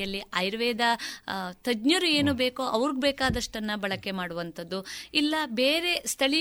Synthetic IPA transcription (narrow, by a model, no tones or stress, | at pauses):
ɐlːiɐjɾʋɛːd̪ɐt̪ɐd͡ʒɲɐɾue̞ːnubeːkoʔɐʋɐɾuɡbeːkaːd̪ɐʂʈɐnːɐbɐɭɐkːe̞maːɽuʋɐnt̪ʰɐd̪ːuilːɐbeːɾe̞st̪ʰɐɭi